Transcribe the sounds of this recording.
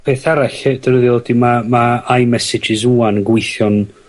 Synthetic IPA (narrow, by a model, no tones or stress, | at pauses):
pʰeːθaɾaɬd̥əɾəðɪɔdimamaajmɛsɪd͡ʒɪzuːanɡwɪjθjɔn